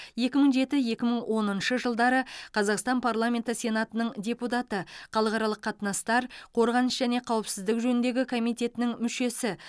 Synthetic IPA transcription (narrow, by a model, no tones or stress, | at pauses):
je̞kʲɪməɴʒe̞t̪ɪje̞kʲɪməɴwʔo̞nənʃəʒəlˠd̪ɑɾəqʰɑzɑqst̪ɑnpʰaɾlˠamʲe̞nt̪əsʲe̞nat̪ənəɴdʲe̞put̪̬ɑt̪əχɑlˠəʁɑɾɑlˠəqʰːɑt̪ənɑst̪ɑɾqʰo̞ɾʁɑnəʃʒæne̞qʰɑwəpsɪzd̪ɪkʒɵnɪnd̪e̞ɡʲɪkʰo̞mijt̪ʲe̞t̪ɪnɪŋmʏʃe̞sɪ